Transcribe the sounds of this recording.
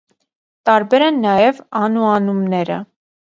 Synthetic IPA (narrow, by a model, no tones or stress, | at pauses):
t̪ɑɾbɛɾɛnːɑjɛvɑnuɑnumnɛɾə̰